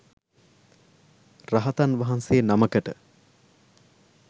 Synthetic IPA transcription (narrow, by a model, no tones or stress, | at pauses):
raɦɐt̪anʋaɦansejənaməkəʈə